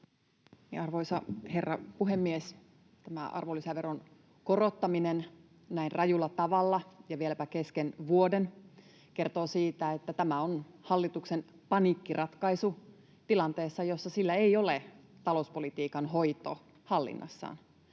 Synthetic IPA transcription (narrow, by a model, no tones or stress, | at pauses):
iɑrʋoisɑhe̞rːɑpuɦemːies | t̪æmæ̰ʔɑ̰rʋolːisæʋeron | korot̪ːɑminen | næirrʔɑjulːɑt̪ɑʋɑlːɑjɑʋielæpæke̞skenʋuoden | ke̞rt̪oːsiːt̪æet̪ːæt̪æmæonhɑlːit̪uksen | pɑnikːirɑt̪kɑisu | t̪ilɑnt̪eːsːɑjo̞sːɑsilːæeio̞let̪ɑlouspo̞lit̪iːkɑnɦoit̪o̰ | hɑlːḭnːʔɑ̰sːɑ̰ːn